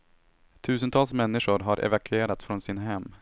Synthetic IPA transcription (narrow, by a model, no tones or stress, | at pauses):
t̪ʰʉ̟ːs̬ənt̪ʰɑːlsmɛnːɪɧʊɾɦaɾʔɛ̰vakʰɵeːɾat̪sfɾɔnsɪnaɦɛmː